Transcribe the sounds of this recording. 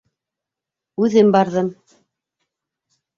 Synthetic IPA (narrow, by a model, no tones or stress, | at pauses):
ʉðɘmbɑɾðɤm